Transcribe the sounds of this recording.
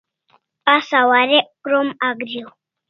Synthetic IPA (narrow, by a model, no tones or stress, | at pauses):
pasawaɾekɾomaɡɾjow